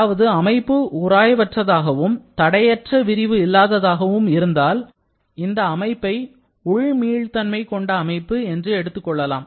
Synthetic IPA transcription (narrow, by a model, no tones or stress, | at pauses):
ʋɐðɯɐmɐɪpːɯʊɾaːjɐʋɐʈrɐðaːɣɐʋɯmt̪ɐɽɐjɐʈrɐʋɪɾɪʋɯɪlːaːðɐðaːɣɐʋɯmɪɾɯnd̪aːl | ɪnd̪ɐːmɐɪpːɐɪ | ʊɻmiːɻt̪ɐnmɐɪkːɔɳɖɐːmɐɪpːɯɛndrɯɛɽɯt̪ːɯkːɔɭːɐlaːm